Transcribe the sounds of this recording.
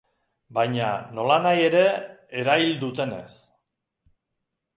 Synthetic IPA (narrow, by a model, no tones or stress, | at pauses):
bajɲa̰no̞lanaje̞ɾe̞eɾaild̪ut̪e̞ne̞̰s